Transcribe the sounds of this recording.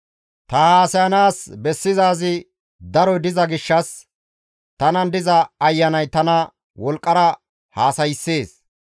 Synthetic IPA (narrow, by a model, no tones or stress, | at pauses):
t̪ɐhaːsɐjɐnaːsbɛsːɪzaːzɪ | d̪ɐɾɔjd̪ɪzɐɡɪʃːɐs | t̪ɐnɐnd̪ɪzɐɐjːɐnɐjt̪ɐnɐ | wɔlkʼːɐɾɐ | haːsɐjɪsːeːs